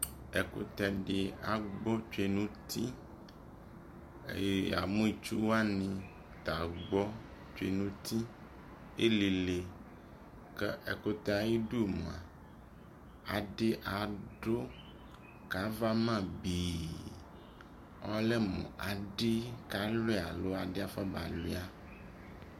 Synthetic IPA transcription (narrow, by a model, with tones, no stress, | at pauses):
e˨ko̰˦t̪ɛ˨ɖɪ˨a˨ɡ͡bɔ˦t͡ʃe˦nũ˦t̪ʰi˦˨˦ | a̰˨mũ˦i˨t͡ʃu˦wa˦nĩ˨ | t̪a˨ɡ͡bɔ˦ | t͡ʃe˦˨nũ˦t̪ʰi˦ | e˦li˨le˨ | ke˦e˨ko˦t̪e˦a˨ji˦ɖu˦˨mõ̰˨a̰˨ | a˨ɖɪ˦ʔa˨ɖo˦ | ka˨˦va˦mã˦biː˨ | ɔ˦le˦mṵ̃˨ʔa˨ɖɪ˦ka˨le˦˨a˨lo˦a˨ɖɪ˦a˦fɔ˦ba̰˨le˦a˦